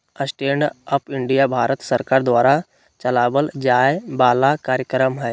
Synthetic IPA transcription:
əsʈeːnəpɪ̃ɳɖijabʱaːɾət̪səɾkaːɾd̪waːɾa | t͡ʃɐlaːbəld͡ʒaːjebaːlakaːɾjəkɾəmɦɛː

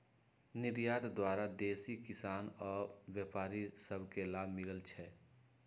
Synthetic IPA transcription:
nɪɾjaːd̪d̪waːɾad̪eːsikɪsaːnɔːɾwjeːpaːɾisəbʱkelaːbʱmɪləlt͡ʃʰɛ

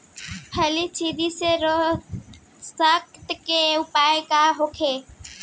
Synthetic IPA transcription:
pʰəlit͡ʃʰid̪iseɾo | sək̚t̪keʊpajkaɦokʰe

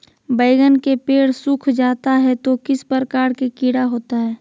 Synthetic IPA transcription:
bəɪɡənkepeːɽsʊkʰd͡ʒaːt̪aɦɛt̪okɪspəɾkaːɾkekiːɽaɦoːt̪aɦɛː

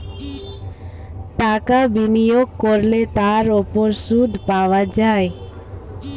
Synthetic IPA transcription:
ʈakabinijoɡ̚koɾlet̪aɾopoɾsud̪ʱpawad͡ʑae

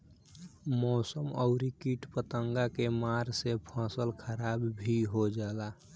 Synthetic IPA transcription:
mɔsəməʊɾikiʈpət̪əŋɡakemaɾsepʰãsəlkʰəɾabbʱiɦod͡ʒaːla

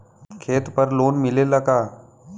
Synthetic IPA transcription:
kʰeːt̪pəɾloːnmɪleləɡaː

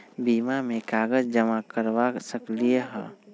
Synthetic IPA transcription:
biːmamẽkaːɡəd͡ʒd͡ʒəmakəɾwasəklieɦɛ̰̃

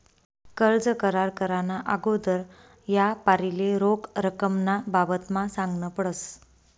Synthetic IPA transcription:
kəɾd͡zəkəɾaɾkəɾanaʔaɡod̪əɾ | japaɾileɾokɾəkəmnababət̪masãŋɡnəpəɽəs

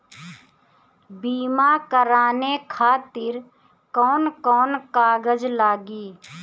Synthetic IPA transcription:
biːmaːkəɾaːnekʰaːt̪ɪɾ | kɔːnkɔːnkaːɡəd͡ʒlaːɡiː

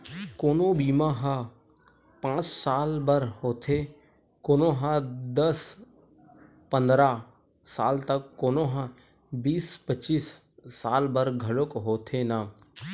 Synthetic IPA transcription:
koːnõːbiːmãɦãː | pãːt͡ʃsaːlbəɾhoːt̪ʰe | koːnõːɦãːd̪əs | pənd̪ɾaː | saːlt̪əkːoːnõːɦã | biːspət͡ʃiːsː | aːlbəɾɡʱəlokɦoːt̪ʰeːnaː

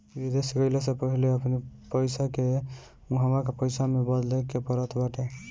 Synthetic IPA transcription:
bid̪esɡəɪlesepəɦileəpnipəjsake | ũɦəmɾakepəjsamebəd̪lekepəɾət̪ʰbaʈe

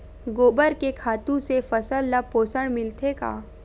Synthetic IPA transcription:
ɡoːbəɾkekʰaːt̪ũsefɐsəlːɐpoːsəɽmɪlt̪ʰeka̰ː

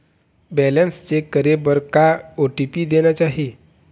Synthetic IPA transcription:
bɛlənst͡ɕekəɾebəɾkaoʈipiːd̪enjat͡ɕaɦi

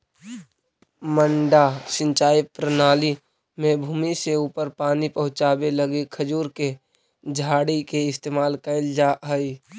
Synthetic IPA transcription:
məɳɖasɪ̃ɲt͡ʃaːjipɾənaːli | mẽbʱuːmiseuːpəɾpaːnipəɦʊ̃t͡ʃaːbeləɡekʰəd͡ʒuːɾke | d͡ʒʱaːɽikeɪst̪eːmaːlkəɪld͡ʒaɦəi

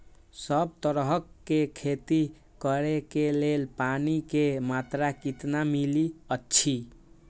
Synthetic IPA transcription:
səbt̪əɾɦəkːekʰet̪i | kəɾekelelpanikemat̪ɾakit̪namiliətːt͡ʃʰi

